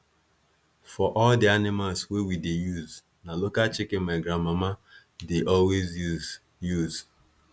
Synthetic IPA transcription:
fɔʔɔldianɪmalswewidejuz | nalokat͡ʃɪkɪ̃maɪɡɾamama | deʔɔlwez | juz

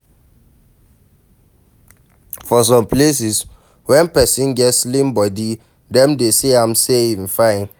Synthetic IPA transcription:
fɔs̬ɔ̃mples̬is | wɛ̃npɛsĩnɡɛtslĩmbɔdi | dɛ̃mdeseãmseĩfãɪ̃n

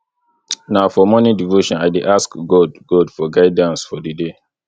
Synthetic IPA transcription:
naʊfɔmɔnidivoʃɔ̃naɪdeʔaskɡɔdɡɔdfɔɡaɪdãnsfɔdide

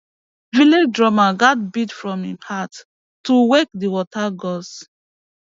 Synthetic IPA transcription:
viled͡ʒdɹɔmaɡat̚bidfɹɔ̃mhihatː | uwekdiwɔtʰaɡɔs

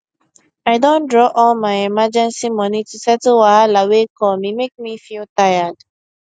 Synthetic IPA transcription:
aɪdõndɹɔʔɔlmaɪɛmad͡ʒɛ̃nsimɔnitusɛtlwaalawekʰɔmimek̚mifiltaɪad̥

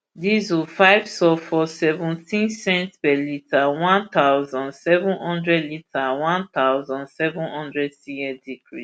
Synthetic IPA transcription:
dizwufaɪvsɔfɔsɛvũntʰĩnsɛ̃ntpɛlitʰawãnt̪aʊzɔ̃nsɛvũnhɔ̃ndɹɛdlitʰawãnt̪awzɔ̃nsɛvũnhɔ̃ndɹɛdsiɛdikɹḭ

